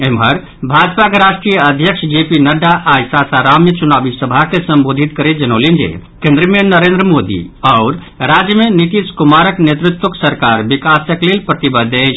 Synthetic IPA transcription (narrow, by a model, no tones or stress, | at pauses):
emɦəɾ | bʱad͡ʒpakeɾaʃʈɾijəəd̪ʱjəksʰd͡ʒepinəɖaʔajsasaɾamjət͡ʃunabisəbʱakesəmbod̪ʱit̪kəɾed͡ʒənolend͡ʒḛkẽnd̪ɾimenːəɾend̪ɾəmod̪ḭɔʊɾ | ɾad͡ʒjəmeniʈ̪iskumaɾəknet̪ɾut̪wəksəɾkaɾbikasəklelpɾət̪ibəd̪eʃ